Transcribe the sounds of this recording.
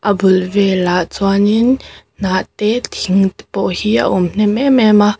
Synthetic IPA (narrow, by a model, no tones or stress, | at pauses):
ʔabulvɛlaʔt͡swanin | naʔt̪ɛt̪ʰiŋt̪pɔʔhiʔa̰ʔʊmn̥ɛmɛmɛma